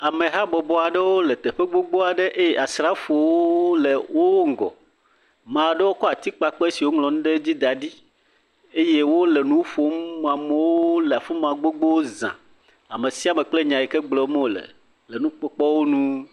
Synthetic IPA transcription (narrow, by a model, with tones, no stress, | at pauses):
a˨mẽ˨ɦa˦bɔ˨bɔ˦a˨ɖe˦wo˦lɛ˨t̪ɛ˨ɸe˦ɡ͡bo˦ɡ͡bo˦a˨ɖe˦ʔe˦jɛ˨ʔa˨sɾa˦fo˨wo˦le˨wo˦ŋ̩˨ɡɔ̰˨ | mã˨ɖe˦wo˦kɔ˦a˨t̪i˦k͡pa˨k͡pɔ˦e˦si˨wo˦ŋlɔ̃˨nũ˦ɖe˦d͡ʑi˦d̪a˨ɖi˦ | e˦je˦wo˦le˨nũ˦fo˨˦mm˨ã˨me˦wo˦lɛ˨a˨fe˦m˦ã˨ɡ͡bo˦ɡ͡bo˦wo˦zã̰˨ | a˨me˨si˦a˨me˨k͡ple˦ɲã˨ji˨kɛ˦ɡ͡blɔ˨˦mẽ˦˨lḛ˨ | le˨nũ˦k͡pɔ˦k͡pɔ˦wo˦nũ˦